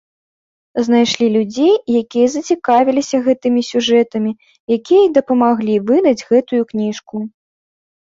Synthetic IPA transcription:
znajʂlʲilʲud͡zʲejjakʲijɐzɐt͡sʲikavʲilʲisʲɐɣɛt̪ɨmʲisʲuʐɛt̪ɐmʲi | jakʲijɐd̪ɐpɐmaɣlʲivɨd̪ɐd͡zʲɣɛt̪ujuknʲiʂku

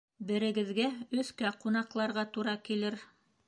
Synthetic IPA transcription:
bɘ̆ɾɘ̆ɡɘ̆ðɡæɵ̆θkæqunɑqlˠɑɾʁɑt̪uɾɑkilɘɾ

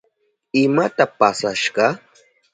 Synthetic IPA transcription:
ɪmat̪apasaʃɢɑ

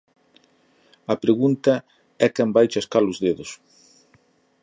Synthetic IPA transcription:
ɐpɾeɣunt̪ɐ | ɛkɛmbajt͡ʃɐskalʊzðeðʊs

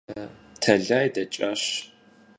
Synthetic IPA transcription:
tʰɐɮaːjdɐt͡ʃʼɐɕ

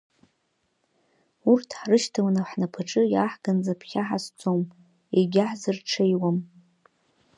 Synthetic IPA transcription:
urtʰħrɨʃtʰawanaħnapʰaʈ͡ʂʼɨjaħɡ̥and͡zapʰχʲaħast͡sʼom | eɡʲaħzɨrʈ͡ʂʰejwam

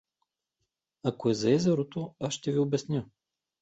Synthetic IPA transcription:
akoɛzɐɛzɛɾot̪oasʃt̪ɛviʊbɛsnʲə

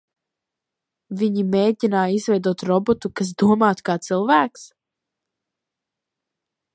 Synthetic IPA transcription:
viɲimeːɟʲinaːizvɛjd̪uɔt̪ɾɔbɔt̪ukas̬d̪uɔmaːt̪kaːt̪sɨlˠvæːks

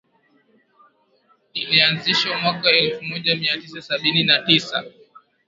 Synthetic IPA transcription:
nilianziʃamwakaɛlfumɔʄamiatisasaɓininatisa̰

